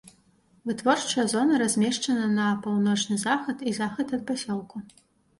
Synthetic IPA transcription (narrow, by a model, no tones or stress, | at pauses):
vɨtvorʈ͡ʂɐjɐzonɐɾɐzʲmʲeʂʈ͡ʂɐnɐnɐpolˠnot͡ʂnɨzaxɐd̪izaxɐd̪ɐd̪̚pɐsʲolˠkʰʼu